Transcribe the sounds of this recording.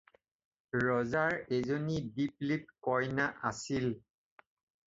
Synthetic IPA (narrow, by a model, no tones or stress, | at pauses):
ɹɔzaɹezonidiplit̚kɔɹnaʔa̰sil